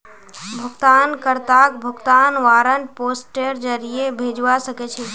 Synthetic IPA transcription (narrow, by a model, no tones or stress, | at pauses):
bʱəɡt̪ankəɾt̪akbʱəɡt̪anʋaɾənposʈeɾd͡ʒəɾijebʱed͡ʒʋasəkɛt͡ʃʰɛ